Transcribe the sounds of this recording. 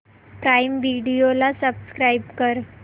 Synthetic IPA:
pɾaimʋiɽijolasəbskɾaibkəɾ

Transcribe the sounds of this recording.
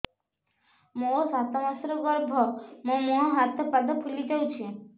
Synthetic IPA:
mosat̪ɔmasɾɔɡɔɾbʱɔmõmoɦɔɦat̪ɔpad̪ɔpʰulid͡ʒawt͡ʃʰe

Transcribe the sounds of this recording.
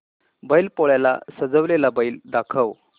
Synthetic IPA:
bəjilpoɭjala̰səd͡zəʋlelabəild̪akʰəʋ

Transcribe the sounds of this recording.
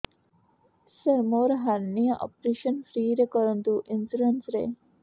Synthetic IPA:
sɐɾmoːɾɦɐɾnijɐʔɔ̰pɾeʃɐnfɾiːɾekɔɾund̪uʔinsɾuɾɐnsɾḛ

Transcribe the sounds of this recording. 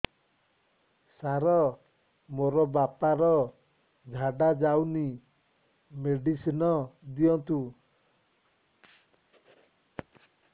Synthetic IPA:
saɾɔ | moɾɔbapaɾɔ | d͡ʒʱaɖad͡ʒauni | meɖisinɔd̪iɔnt̪u

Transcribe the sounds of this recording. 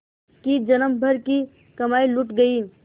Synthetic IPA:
kid͡ʒɐnəmbʱəɾki | kɐmaːiluʈɡɐi

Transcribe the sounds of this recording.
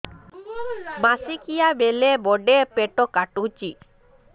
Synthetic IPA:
masikijabɛlebɔɖepɛʈɔkaʈut͡ʃi

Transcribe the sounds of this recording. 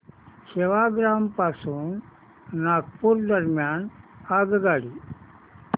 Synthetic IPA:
seʋaɡɾaːmpasuːnː | aːɡ̚puɾd̪əɾmjaːnaɡɡaːɽiː

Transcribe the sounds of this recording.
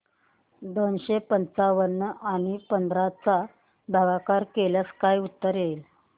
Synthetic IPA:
d̪onɕepənt͡saʋənːəaɽ̃ipənd̪ʱɾat͡sa | bʱaʋakaɾkeljaskajut̪ːəɾjel

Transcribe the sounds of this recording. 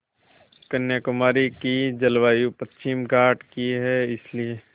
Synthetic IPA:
kɐnjakʊmaːɾikid͡ʒɐlʋaːjupɐst͡ʃɪmɡaːʈkiɦɛɪslie

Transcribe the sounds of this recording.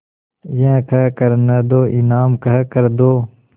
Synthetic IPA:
jẽːkəkəɾnəd̪oːʔɪnaːmkəɦkəɾd̪oː

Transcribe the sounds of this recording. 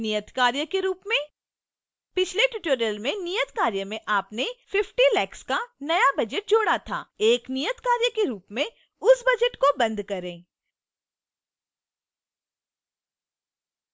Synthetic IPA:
nijət̪kaːɾjəkeɾuːpmẽ | pɪt͡ʃʰleʈɪʈoːɾjəlmẽnijət̪kaːɾjəmẽʔaːpnefɪfʈilɛːkskanɐjabɐd͡ʒəʈ̚d͡ʒoːɽat̪ʰa̰ːeːknijət̪kaːɾjəkeɾuːpmẽ | ʊsbɐd͡ʒəʈkobɐ̃nd̪kɐɾẽː

